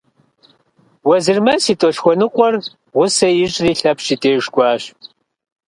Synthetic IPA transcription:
wɐzɨrmɐsiːtʼoʃxʷɔnɨqʷʼɔr | ʁʷʊsɐjɪɕʼriːɬɐpʰʃitʰʼeːʒɡʷɑːɕ

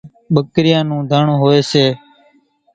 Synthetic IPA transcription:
ɓəkɾɪjãːnũːd̪ʱaːɳõːɦoːeːseː

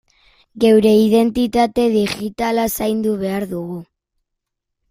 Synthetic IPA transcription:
ɡe̞wɾe̞iðe̞nt̪it̪at̪e̞ðiʝit̪alasajnd̪uβ̞e̞aɾðuɣu

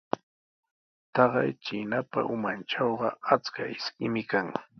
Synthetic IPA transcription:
t̪ɑɢɑ̰jt͡ʃinapa̰ʔʊmanʈ͡ʂɑwɢɑat͡skaɪskɪmɪkaŋ

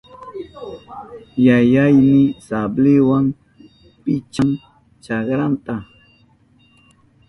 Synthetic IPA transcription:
jajajmɪsablɪwam | pɪt͡ʃaŋ | t͡ʃɑχɾant̪a

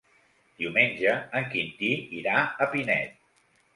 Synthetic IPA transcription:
d̪̥iumenʲʒəːŋkint̪iiɾaəpinɛ̰t̪̚

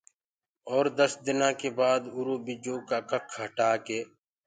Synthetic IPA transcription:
ɔːɾd̪əsd̪ɪnãːkeːbaːd̪ʊɾoːbɪd͡ʒõːkaːkəkʰɦəʈaːkeː

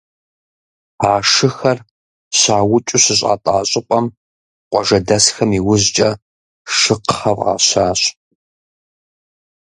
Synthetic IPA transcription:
aːʂɨxɐr | ɕaːwʊt͡ʃʼʊɕɪɕʼa̰ːtʼaːɕʼɪpʼɐm | qʷɔʒɐdɐsxɐmiːwʊzt͡ʃʼɐ | ʃɨqχɐvʁa̰ːɕaːɕ

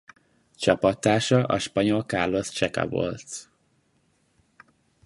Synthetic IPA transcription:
t͡ʃɒpɒt̪ːaːʃɒʔɒ̰ʃpɒɲo̞lkaːrlo̞st͡ʃɛkɒ̰vo̰lt̪

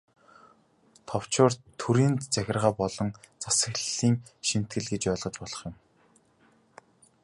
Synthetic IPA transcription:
t̪ʰɔw̥t͡ɕʊːrt̪ʰuɾiːnt͡sæxʲɪ̆rʁaːpɔɮɞ̆n | t͡sasə̆xɮiːŋʃim̥t̪̚ɡɘ̆ɮɡet͡ɕœːɮʁɞ̆t͡ɕpɔɮɞ̆χjʊ̆m

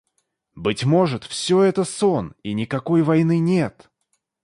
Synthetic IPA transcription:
bɨtʲmo̞ʐɨt̪fsʲoɛt̪əsoninʲɪkɐko̞jvɐjnɨnʲe̞t̪

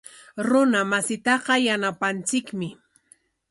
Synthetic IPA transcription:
ɾʊnamasɪt̪ɑqɑjanapant͡sɪkmɪ

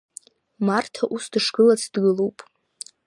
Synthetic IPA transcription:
martʰaʔusdʂɡɨlat͡sʰd̥ɡɨlupʼ

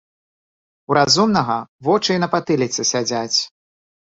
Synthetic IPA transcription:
uɾazumnɐɣɐvɔt͡ʂɨjnɐpat̪ɨlʲit̪sʲɛsʲad͡zʲat͡sʲ

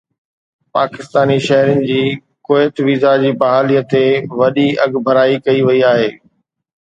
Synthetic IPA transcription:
paːkɪst̪aːniʃɐɦɾɪnɪ̆d͡ʑiː | koːɪt̪ʋiːzad͡ʑiːbɐɦaːliːət̪eʋɐɗiɐɡbʱɐɾaːikɐiʋɐiaːɦeː

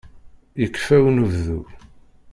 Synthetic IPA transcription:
jəkːfæwnuvðu

